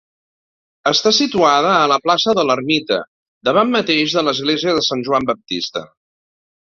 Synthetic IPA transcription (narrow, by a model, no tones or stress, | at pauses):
əst̪asit̪uaðəːləplasəðələrmit̪ə̰ | d̪əβamːət̪eʒðələzɣleziəðəsanʲʒuambəp̚t̪ist̪ə̰